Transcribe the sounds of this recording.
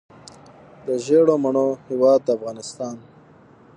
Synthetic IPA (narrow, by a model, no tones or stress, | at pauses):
d̪əʒeːɽomɐɳohiwɑːd̪afɣɑːnɪst̪ɑːn